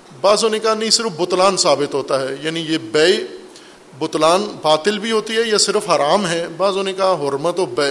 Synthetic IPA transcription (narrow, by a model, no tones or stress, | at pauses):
baːzɦoːnekanɐɦĩsɪɾəfbʊt̪laːnsaːbɪt̪ɦoːt̪aɦɛːjaːnijebɛe | bʊt̪laːnbaːt̪ɪlbʱiɦoːt̪iɦɛjɐsɪɾəfʰɦaːɾaːmɦɛbaːzɦoːnekaɦɔɾmət̪ɔːbɛ